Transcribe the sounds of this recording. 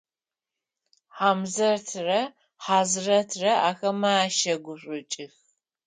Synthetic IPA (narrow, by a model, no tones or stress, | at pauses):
ħaːmzɐrtʰrɐ | ħaːzɨrɐtʰrɐʔaːxɐmaːʃɐɡʷʊɕʷʼʊt͡ʃʼɪx